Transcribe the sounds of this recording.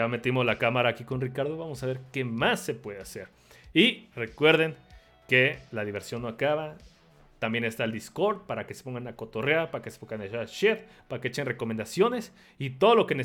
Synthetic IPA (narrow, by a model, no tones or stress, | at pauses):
ame̞t̪imoslakamaɾaːkikonrikaɾðoβamosaβe̞ɾkemasːepweðeaseɾ | irekweɾðeŋ | kelaðiβeɾsjo̞nːoakaβa | t̪ambje̞nest̪aeld̪iskoɾd̪paɾakese̥poŋɡanakot̪oreapaɾakese̥poŋɡaneʃaʃeðpaɾakeet͡ʃenrekomend̪asjone̞s | it̪oðolokene